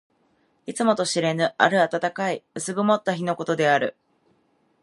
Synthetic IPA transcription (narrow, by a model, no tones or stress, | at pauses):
it͡sɨmo̞t̪o̞ɕiɾe̞nɯ̟ʔa̰ɾɯ̟at̪at̪akaiɯ̟sɨɡɯ̟mo̞t̪ːaçino̞ko̞t̪o̞d̪e̞aɾɯ̟